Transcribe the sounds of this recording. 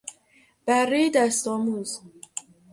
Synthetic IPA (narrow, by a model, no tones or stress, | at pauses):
b̥ærːiːd̪æst̪ɔːmuːz